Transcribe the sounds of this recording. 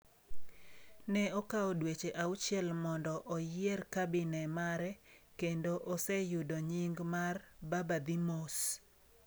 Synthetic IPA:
nɛɔkaɔdwet͡ʃeʔaut͡ʃjɛlmɔndɔʔɔjɪerkabɪnɛmaɾɛkendoʔɔsɛjʊdoɲiŋɡmarbabad̪imos

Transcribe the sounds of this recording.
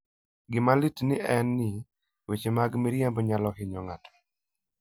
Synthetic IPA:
ɡɪmalitnɪʔɛnːɪ | wet͡ʃemaɡmiɾjambɲalɔhɪɲɔŋatɔ̥

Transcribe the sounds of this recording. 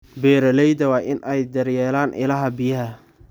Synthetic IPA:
bɛːɾɐlɛjd̪ɐwɑːʔɪnʔɛjd̪ɐrjɛːlaːnʔɪ̰lɐɦɐbɪjɐɦɐ

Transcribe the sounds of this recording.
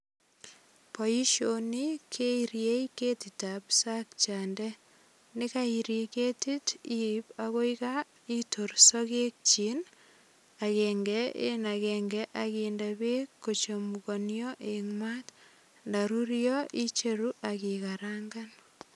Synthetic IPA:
pɔiʃonikʰeiɾjeiketitapsak̚t͡ʃandɛ | nikaiɾiketitipaɣoika | itorsɔɣek̚t͡ʃin | akɛŋɡɛḛnakɛŋɡɛʔaɣindaβekːot͡ʃomuɣonjɔʔeŋmat | ndaɾuɾjɔʔit͡ʃeɾuʔakiɣaɾaŋɡan

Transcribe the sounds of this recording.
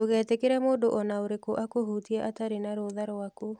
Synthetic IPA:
oɣɛːtekeɾɛmoːndoʔɔnaoɾekoʔakohutiɛʔataɾenaɾoðaɾako

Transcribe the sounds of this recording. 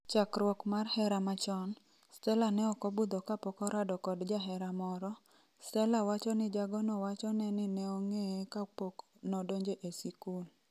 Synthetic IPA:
t͡ʃakɾwɔkmarhɛɾamat͡ʃɔn | stɛlanɛɔkɔbud̪okapɔkɔɾʔadɔkɔdd͡ʒaɦɛɾamɔɾɔ | stɛlawat͡ʃɔnɪd͡ʒaɡɔnɔwat͡ʃɔnɛnɪnɛɔŋeekapok | nɔdoɲd͡ʒeʔesikul

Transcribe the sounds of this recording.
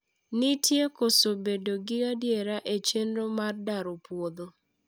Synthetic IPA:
nɪtjekosobedoɡɪadjeɾaʔet͡ʃenɾomardaɾopwod̪o

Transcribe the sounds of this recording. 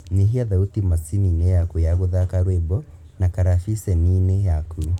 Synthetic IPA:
ɲeɦiaðautimasininejakujaɣuðakaɾwebɔ | nakaɾafisɛninejakʰu

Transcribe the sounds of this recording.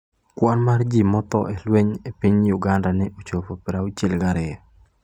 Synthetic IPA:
kwɔnmard͡ʒimɔt̪ɔ̰ʔelweɲepiɲjʊɡandanɛʔot͡ʃopopɪɾaʊt͡ʃɪlɡaɾɪa

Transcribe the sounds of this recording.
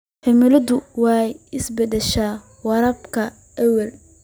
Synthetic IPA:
ħɛmɪlɐd̪ʊwɑjɪsbɛd̪ɛʃaː | wɑɾɐbkʰɐ | ʔɛwɐl

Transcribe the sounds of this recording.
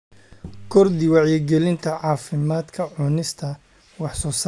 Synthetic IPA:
kʰɔrd̪ɪwɑʕjɛɡɛlɪnt̪ʰɐʕɑːfɪmaːd̪kʰɐʕʊnɪst̪ʰɐ | wɑħsɔːsa

